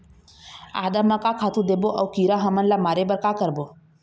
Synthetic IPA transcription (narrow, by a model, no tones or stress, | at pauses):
a̰ːd̪amakakʰaːt̪ũd̪eːboʔəwkiɾaɦəmənlamaːɾebəɾkakəɾboː